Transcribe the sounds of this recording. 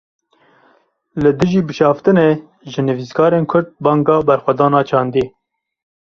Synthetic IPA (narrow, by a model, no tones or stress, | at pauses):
lɨd̪ɨʒiːbɨʃɑːft̪ɨneː | ʒɨnɨviːskʰɑːɾeːnkʰʊɾd̪̚bɑːŋɡɑːbɛɾxʷɛd̪ɑːnɑːt͡ʃʰɑːnd̪eː